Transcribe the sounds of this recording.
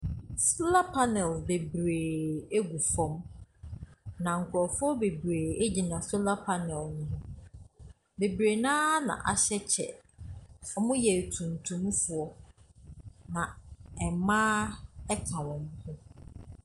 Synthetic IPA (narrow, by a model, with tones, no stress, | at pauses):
sla˦pʰa˦nɛ˨lbe˨bɾeː˨e˦ɡu˨fɔ̃˦m | nã˨ŋ̩˨kʰʊ˨ɾɔ˨fʊ˦ɔ˦be˨bɾeː˨e˦d͡ʑi˨nã˨sʊ˦la˦pʰa˦nɛ˨lnʊ̃˦ɦʊ̃˦ | be˨bɾe˨nãː˦nã̰˨ʔa˨ɕɛ˦t͡ɕʰɛ̰˨ | ɔ˦mʊ̃˦jɛ˨tʰũ˨n˨tʰũ˨m̃˦fʊ˨ɔ˦ | nã˨ɛ˨mã˦ɛ˦kʰã˨wɔ̃˨m˦hʊ̃˦